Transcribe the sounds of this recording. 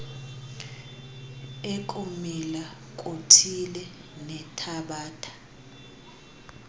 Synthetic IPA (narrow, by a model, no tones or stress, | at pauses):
ekʼumila | kʼotʰilɛ | nɛtʰaɓaːtʰḁ